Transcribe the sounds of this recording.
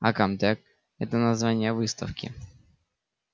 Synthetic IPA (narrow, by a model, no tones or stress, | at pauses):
a̰kamt̪ak̚ | ɛt̪ənɐzvanʲɪjəvɨst̪ɐ̰fkʲɪ̰